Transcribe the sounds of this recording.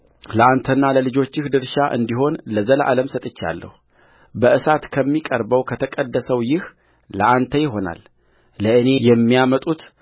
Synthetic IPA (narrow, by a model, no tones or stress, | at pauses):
ləʔant̪ʰənːaləlɨd͡ʒo̞t͡ʃːɪhd̪ɨɾʃaʔɨ̰nd̪iɦo̞nləzəlʔa̰ləmsət̪ʼɨt͡ʃːa̰lːə̰hu | bəʔɨsat̪kʰəmːikʼəɾbəwkʰət̪ʰəkʼəd̪ːəsəwjɪh | ləʔant̪ʰəjɪɦo̞na̰lː | əɨne̞jɛmːijamət̪ʼut̪